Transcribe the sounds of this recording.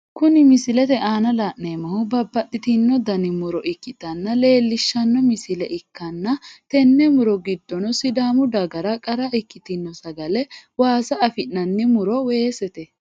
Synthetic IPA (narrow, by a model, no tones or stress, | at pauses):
kʊnɪmɪsɪlɛt̪ɛʔaːnɐlaːʔneːmɐhʊbɐbːɐɗɪt̪ɪnːɔd̪ɐnɪmʊɾɔʔɪkːɪt̪ɐnːɐle̞ːlːɪʃːɐnːɔmɪsɪlɛʔɪkːɐnːɐt̪ɛnːɛmʊɾɔɡɪd̪ːɔnɔsɪd̪aːmʊd̪ɐɡɐɾɐkʼɐɾɐɪkːɪt̪ɪnːɔsɐɡɐlɛwaːsɐɐfɪnːɐnːɛmʊɾɔweːsɛt̪ɛ